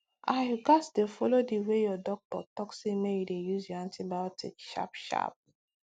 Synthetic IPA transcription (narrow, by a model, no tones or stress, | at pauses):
aɪɡasdefɔlodiwejɔdɔk̚tɔ̰tɔksimejudejuzjɔãntʰibaɔtḭkʃa̰pʃa̰p̚